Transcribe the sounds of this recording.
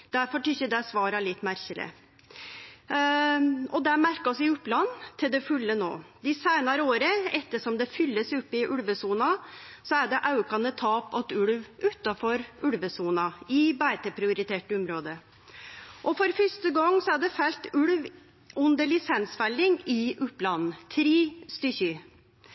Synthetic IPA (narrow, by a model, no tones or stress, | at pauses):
d̪̥æɾfɔʈʏçəd̪ɛsʋɑːɾɑlɪt̪ːmæɾçələ̰ | ɔd̪ɛmæɾkɑsɪʊplɑnːt̪ʰɪld̪ɛfʉlːəno̰ːd̪ɪsæɪnɑɾəoːɾəɛt̪ːəʂɔmd̪ɛfʏlːəsʉpːɪʔʉɽʋəsuːnɑ | sɔæɖɛʔɑʉkɑnət̪ʰɑːpɑt̪ʉɽʋʔʉt̪ːɑfɔɾʉɽʋəsuːnɑɪbæt̪əpʰɾɪʊɾɪt̪ʰeːʈəʊmɾoːd̪ə | ʔɔfɔɾfœʂʈəɡɑŋːsɔæɖɛfɛlt̪ʉɽʋ | ʔʉnd̪əɭɪsɛnsfælːɪŋɪʔʊpːlɑnn̩t̪ʰɾiːst̪ʏçʏ